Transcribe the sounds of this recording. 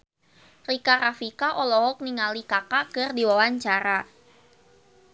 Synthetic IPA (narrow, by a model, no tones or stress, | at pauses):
rikaɾafikaʔɔlɔɦɔk̚niŋalikakakɨrdiwawaɲt͡ʃaɾa